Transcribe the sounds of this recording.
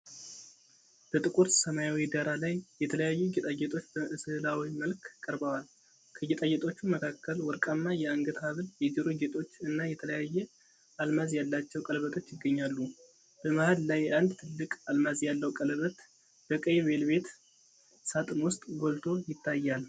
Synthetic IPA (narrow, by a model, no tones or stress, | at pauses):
b̥ət̪ʼɨkʼuɾt̪səmajawid̪aɾalajːɛt̪ʰələjajːuɡit̪ʼajɛt̪ʼo̞t͡ʃːbəʔɨsɨɨlawiməlkkʼːəɾbawal | kʰəɡɛt̪ʼajɛt̪ʼo̞t͡ʃːuməkʰakːəlwɔɾkʼamːajɛaŋɡət̪haβɨljɛd͡ʒiɾoɡet̪ʼo̞t͡ʃːɨnːajɛt̪ʰələjajːɛ | almazjalːat͡ʃːɛwkʼəlβət̪ʰo̞t͡ʃːjɪɡːəɲːalːu | b̥əmahad̪lajʔand̪t̪ʰɨlːɨkʼalmazjalːəwkʼəlβət̪ | b̥əkʼəjβe̞lbe̞t̪ | sat̪ʼnwʊst̪ʼɡo̞lt̪ʰo̞jɪt̪ːajːal